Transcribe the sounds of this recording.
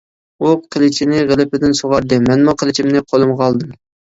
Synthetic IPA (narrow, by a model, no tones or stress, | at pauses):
uqʰəlˠɪt͡ʃʰinɪʁəlˠɪpɪd̪ɪnsoʁɑɾd̪ɨmɛnmuqʰəlˠɪt͡ʃʰimnɪqʰolˠɨmʁɑlˠd̪ɨm